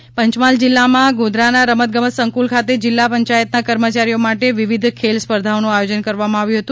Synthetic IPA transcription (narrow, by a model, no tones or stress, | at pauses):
pəɲt͡ʃmald͡ʒɪlːamãɡud̪ʱɾanaɾəmət̪̚ɡəməsəŋkulkʰat̪ed͡ʒɪlːapəɲt͡ʃajət̪̚nakəɾmət͡ʃaɾijomaʈeʋiʋid̪ʱkʰelspəɾd̪ʱaonũajod͡ʒənkəɾʋamãaʋjũɦət̪ũ